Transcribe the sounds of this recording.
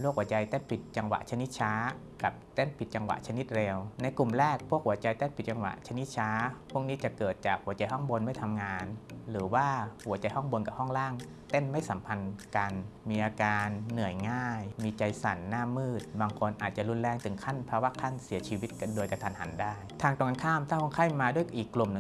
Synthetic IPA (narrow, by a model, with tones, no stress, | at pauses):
lu˥˩khu˩˦t͡ɕa˧jt̪e˥˩npi˨˩t̪̚t͡ɕa˧ŋwa̰˨˩ʔt͡ɕʰa˧ni˦˥t̪̚t͡ɕʰaː˦˥ | ka˨˩p̚t̪e˥˩npi˨˩t̪̚t͡ɕa˧ŋwa̰˨˩t͡ɕʰa˧ni˦˥t̪̚ɾeː˧wna˧jku˨˩mɾɛː˥˩k̚pʰu˥˩ək̚hu˩˦ɐət͡ɕa˧jt̪e˥˩npi˨˩t̪̚t͡ɕa˧ŋwa̰˨˩ʔt͡ɕʰa˧ni˦˥t̪̚t͡ɕʰaː˦˥pʰu˥˩əŋ̚niː˦˥t͡ɕa˨˩kɤː˨˩t̪̚t͡ɕaː˨˩k̚hu˩˦ɐt͡ɕa˧jɦɔ˥˩ŋbo˧nma˥˩jt̪ʰa˧mŋaː˧nɾɯː˩˦waː˥˩hu˨˩˦ɐt͡ɕa˧jɦɔ˥˩ŋbo˧nka˨˩p̚hɔ˥˩ŋlaː˥˩ŋ | t̪e˥˩nma˥˩jsa˩˦mpʰa˧nka˧nmiː˧ʔaː˧kaː˧nːɯ˨˩əjŋaː˥˩jmiː˧t͡ɕa˧jsa˩˦nːaː˥˩mːɯː˥˩t̪̚baː˧ŋkʰo˧nʔaː˨˩t̪̚t͡ɕa˨˩lu˧nlɛː˧˩ŋt̪ɯ˩˦ŋkʰa˥˩˨npʰaː˧wa˦˧˥kʰa˥˩nsi˨˩˦ɐt͡ɕʰiː˧wi˦˥t̪̚ka˧doː˧jka˧t̪ʰa˧˦nha˩˦ndaː˥˩jt̪ʰaː˧ŋt̪ɔː˧˩ŋa˧nkʰaː˥˩mt̪ʰaː˥˩kʰo˧˩ŋkʰa˥˩jmaː˧du˥˩əjʔiː˨˩kːlu˨˩mnɯ˨˩